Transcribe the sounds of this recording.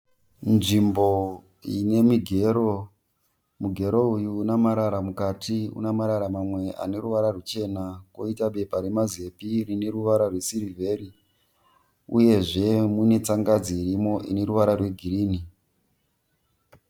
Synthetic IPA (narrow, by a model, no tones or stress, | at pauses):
nʐimbo̞ | ine̞miɡʱe̞ɾo | muɡʱe̞ɾo̞ujuːnamaɾaɾamukatʰiṵnamaɾaɾamamwe̞a̰ne̞ɾuʋaɾarut͡ʃe̞nako̞itaɓe̞paɾe̞maze̞pirine̞ɾuʋaɾarwe̞siɾivʱe̞ːɾi | uje̞ʐe̞mune̞t͡saŋɡad͡zirimo̞ʔine̞ɾuʋaɾarwe̞ɡʱiriːni